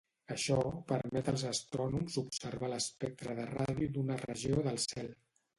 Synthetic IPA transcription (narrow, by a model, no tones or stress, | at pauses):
əʃɔpəɾmɛt̪əlˠzəst̪ɾɔnumzupsəɾβaləspɛk̚t̪ɾəðəraðjud̪unərə̰ʒioðəlˠsɛlˠ